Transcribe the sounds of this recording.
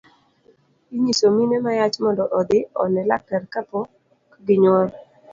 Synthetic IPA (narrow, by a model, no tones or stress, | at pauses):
iɲisominɛmajat͡ʃmɔndɔʔɔd̪ɪɔ̰nɛla̰kːɛɾkapɔ | kɡɪɲɔɾ